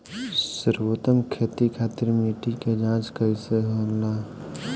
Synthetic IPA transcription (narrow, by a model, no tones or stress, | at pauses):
səɾwot̪əmkʰeːt̪ikʰaːt̪iɾmiʈiked͡ʒãːt͡ʃkəiseɦola